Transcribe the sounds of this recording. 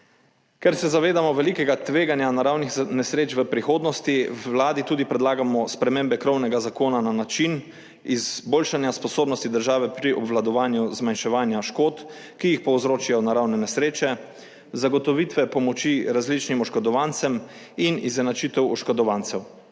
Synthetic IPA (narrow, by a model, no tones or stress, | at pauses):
kɛɾsɛzaʋeːd̪amɔʋɛlikɛɡat̪ʋeːɡanjanaɾawnixnɛsɾeːt͡ʃʋəpɾixoːd̪nɔst̪iwlaːd̪it̪uːd̪ipɾɛd̪laːɡamɔspɾɛmembɛkɾɔwnɛɡazakoːnananat͡ʃin | izboːlʃanjaspɔsoːbnɔst̪id̪əɾʒaːʋɛpɾiʔɔbʋlad̪ɔʋaːnjuzmanʃɛʋaːnjaʃkoːt̪ | kijixpɔwzɾoːt͡ʃijɔnaɾawnɛnɛsɾeːt͡ʃɛ | zaɡɔt̪ɔʋiːt̪ʋɛpɔmɔt͡ʃiɾazlit͡ʃnimɔʃkɔd̪ɔʋaːnt̪sɛm | inizɛnat͡ʃit̪ɛwɔʃkɔd̪ɔʋaːnt̪sɛw